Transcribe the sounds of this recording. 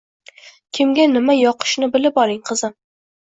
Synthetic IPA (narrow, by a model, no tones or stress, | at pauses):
kʲʰɪmɡʲanɪmajɒqʰɨ̥ʃnɪbɪlɪpɒlɪŋqʰɨzɪm